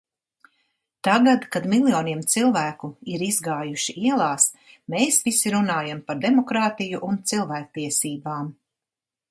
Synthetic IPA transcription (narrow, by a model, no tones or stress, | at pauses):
t̪aɡad̪kad̪milˠjɔːniɛmt̪silˠvæːkuiɾizɡaːjuʃiʔiɛlˠaːs | meːsvisiɾunaːjampaɾd̪emɔkɾaːt̪ijuʔunt̪silˠvæːk̚t̪iɛsiːbaːm